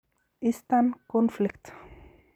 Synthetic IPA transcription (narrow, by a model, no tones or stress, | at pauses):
ɪst̪ankɔnflɪkt̪